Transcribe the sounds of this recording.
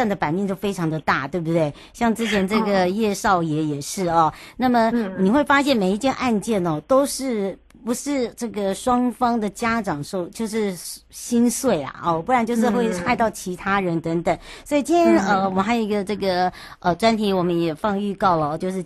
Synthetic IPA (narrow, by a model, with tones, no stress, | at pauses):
a˥˩nd̪ə˩pa˨˩nmɛ˥˧nt͡ɕjo˥ʊfe˥ɪʈ͡ʂʰɑ˧˥ŋd̪ə˨t̪a˥˩t̪we˥˧ɪbu˩t̪we˥˩ɪ | ɕjɑ˥˩ŋʈ͡ʂɻ̩˥t͡ɕʰjɛ˧˥nʈ͡ʂɤ˥˩ɡə˩jɛ˥˧ʂɑ˥˩ʊjɛ˧˥jɛ˨˩ʂɻ̩˥˩ɐ˩na˥˩mə˩ni˨˩xwe˥˩ɪfa˥ɕjɛ˥˩nme˨˩ɪi˧˥t͡ɕjɛ˥nʔa˥˧nt͡ɕjɛ˥˩nə˨˩t̪o˥ʊʂɻ̩˥˩ | pu˧˥ʂɻ̩˥˧ʈ͡ʂɤ˥˩ɡə˩ʂwɑ˥ŋfɑ˥ŋd̪ə˨t͡ɕja˥ʈ͡ʂɑ˨˩ŋʂo˥˧ʊt͡ɕjo˥˧ʊʂɻ̩˥˩ɕi˥nswe˥˩ɪɐ̰˩ɔ˧˩pu˥˩ɻa˧˥nt͡ɕjʂ̬ɻ̩˥˧xwe˥˧ɪxa˥˧ɪt̪ɑ˥˩ʊt͡ɕʰi˧˥t̪ʰa˥ɻə˧˥nt̪ə˧˥ŋt̪ə˨˩˦ŋswɔ˧˥i˨˩t͡ɕi˥nʰjʰɛ˥nə˧wɔ˨˩xa˧˥ɪjo˨˩˧i˧˥ɡə˧ʈ͡ʂɤ˥˩ɡə˩ | ə˧ʈ͡ʂwa˥nt̪ʰi˧˥wɔ˨˩mə˦njɛ˨˩fɑ˥˧ŋy˥˧kɑ˥˩ʊlə˩˧t͡ɕjo˥˧ʂɻ̩˥˩